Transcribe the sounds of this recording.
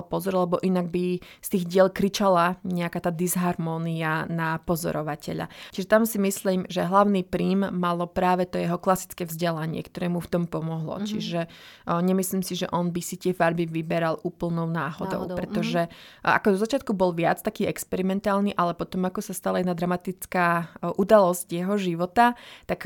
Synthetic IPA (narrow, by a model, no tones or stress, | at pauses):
pɔzɔɾlɛbɔʔinaɡbist̪iːɣɟɪɛlkɾit͡ʃalaɲɛakaːt̪aːd̪izɦaɾmɔːnianapɔzɔ̰ɾɔʋacɛʎa̰t͡ʃiʒɛt̪amsimisliːmʒɛɦlaʊniːpɾiːmːalɔpɾaːʋɛt̪ɔjɛɦɔklasi̥t͡skɛːvzɟɛlaɲɪɛ̰kt̪ɔɾɛːmuft̪ɔmpɔmɔɦlɔ̰t͡ʃiʒɛɲɛmisliːmsiʒɛ̰ʔɔnbisit̪ɪɛfaɾbiʋibɛɾaluːpl̩nɔʊnaːɦɔ̰d̪ɔ̰ʊpɾɛt̪ɔʒɛa̰kɔd̪ɔzat͡ʃɪat̪kubɔlʋɪa̰t͡st̪akiːɛkspɛɾimɛnt̪aːlniʔalɛpɔt̪ɔmakɔsast̪alajnad̪ɾamat̪it͡skaːʔud̪alɔscjɛɦɔʒiʋɔt̪at̪ak